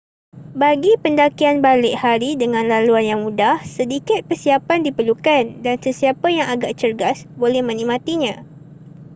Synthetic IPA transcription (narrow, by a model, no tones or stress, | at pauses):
baɡipəndakianbalɪʔhaɾidəŋãnlaluanjaŋmũdahsədikɪt̪̚kərsiapandipərlukandansəsiapajaŋaɡaʔt͡ʃərɡasbolɛhmə̃nĩmãt̪iɲã